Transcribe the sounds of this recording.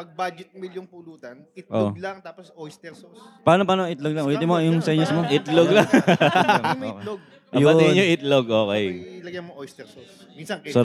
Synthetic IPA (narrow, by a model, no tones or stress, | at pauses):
pɐɡ̚bad͡ʒɪt̪̚miljoŋpʊluːt̪ɐnɪt̪̚ʔoʔlɐŋt̪aːposojst̪ɛɾsospaːnopaːnoɪt̪loɡlɐŋʔwɛt̪ɪmoɐjʊŋsɛɲɐsmoʔɪt̪loɡlaŋ | mɐloɡ̚ | ʔɐjbɐɛɲoʔɪt̪loɡʔoːkɛjɪlɐɡjɐnmoʔojst̪ɛɾsos | minsɐŋso